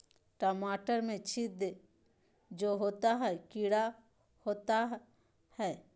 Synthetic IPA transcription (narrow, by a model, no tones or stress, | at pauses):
ʈəmaːʈəɾmẽt͡ʃʰid̪e | d͡ʒoːɦoːt̪aɦɛkiɽa | hoːt̪a | hɛː